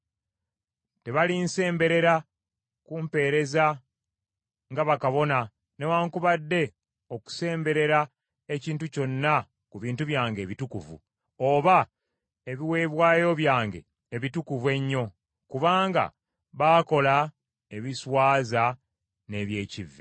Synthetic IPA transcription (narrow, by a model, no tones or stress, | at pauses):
te̞βalinse̞ːmbe̞ɾe̞ɾa | kumpe̞ːɾe̞za | ŋɡaβakaβo̞na | ne̞waːŋkuβadːe̞ | o̞ku̥se̞ːmbe̞ɾe̞ɾa | eciːntuco̞nːa | kuβiːntuβjaːŋɡe̞ːβitukuvṵ | oβa | e̞βiwe̞ːβwaːjo̞βjaːŋɡe̞̰ː | βitukuvwe̞ɲːo̞ | kuβaːŋɡa̰ | βaːko̞la | e̞βiswaːza | ne̞βje̞ːcivːe